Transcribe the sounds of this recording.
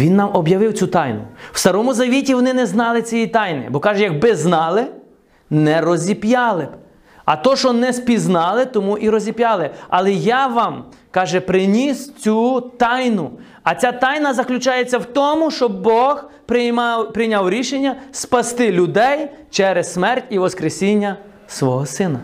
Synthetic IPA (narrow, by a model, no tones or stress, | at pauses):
ʋʲinːɑmʔɔbjɐʋɪwt͡sʲut̪ɑjnʊ̰w̥st̪ɐɾɔmʊzɐʋʲitʲiʋɔnɪnɛznɑlˠɪt͡sʲijit̪ɑjnɪ̰bɔkɑʒɛjɐɡ̚bɪznɑlˠɪ | nɛɾɔzʲipjɑlˠɪb | ɐt̪ɔʃɔnɛspʲiznɑlˠɪt̪ɔmuʔiɾɔzʲipjɑlˠɪɐlˠɛjaʋɑm | kɑʒɛpɾɪnʲist͡sʲut̪ɑjnʊ | ɐt͡sʲat̪ɑjnɐzɐklʲʊt͡ʃɑjet͡sʲːɐwt̪ɔmʊʃt͡ʃɔbbɔxppɾɪnʲawɾʲiʃenʲːɐspɐst̪ɪlʲʊd̪ɛj | t͡ʃɛɾɛssmɛrtʲiʋɔskɾesʲinʲːɐ | sʋɔɦɔsɪnɐ